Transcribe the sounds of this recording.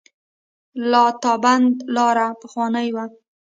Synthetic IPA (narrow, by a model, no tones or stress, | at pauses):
lɑt̪ɑband̪lɑɾapəxwɑnəjwa